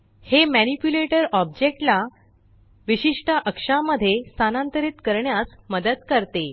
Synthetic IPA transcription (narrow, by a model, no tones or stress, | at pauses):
hemænipjuleʈəɾɔb̚d͡ʑek̚ʈla | ʋiɕiʂʈəʔəkʂaməd̪ʱːjest̪ʰanãnt̪əɾit̪kəɾɳjasməd̪əd̪kəɾt̪e